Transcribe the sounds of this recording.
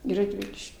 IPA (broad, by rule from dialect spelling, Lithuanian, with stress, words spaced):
ˈiː rɐdʲˈʋʲɪlʲɪʃʲkʲ